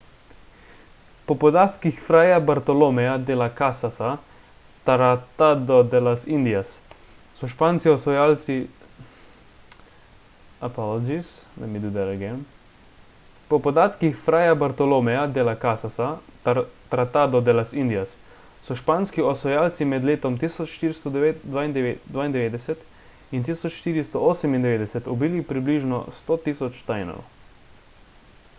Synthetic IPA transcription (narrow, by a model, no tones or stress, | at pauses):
pɔpɔd̪at̪kixfɾaːjabaɾt̪ɔlomɛjad̪eːlakasasa | t̪aɾat̪ad̪ɔd̪ɛlasind̪ijasː | ɔʃpaːnskiɔsʋɔjaːlt̪si | apɔlɔd͡ʒisnɛmid̪ud̪ɛɾɛɡɛm | pɔpɔd̪aːt̪kixfɾaːjabaɾt̪ɔloːmɛjad̪elakasasa | t̪ɾat̪aːd̪ɔd̪ɛlasind̪ijas | sɔʃpaːnskiɔsɔjaːlt̪simɛd̪leːt̪ɔmt̪isɔt͡ʃʃt̪iːɾist̪ɔd̪ʋaind̪d̪vʋaːind̪ɛʋeːd̪ɛsɛt̪ | int̪isɔt͡ʃʃt̪iːɾist̪ɔoːsɛmind̪ɛʋeːd̪ɛsɛt̪ɔbiːlipɾibliːʒnɔ̰st̪oːt̪iːsɔt͡ʃt̪ajnɔ̰ɾɔ̰